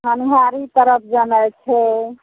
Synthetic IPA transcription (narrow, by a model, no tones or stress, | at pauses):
ɦənɦaɾit̪əɾəp̚ʰd͡ʒənɛt͡ʃʰɛ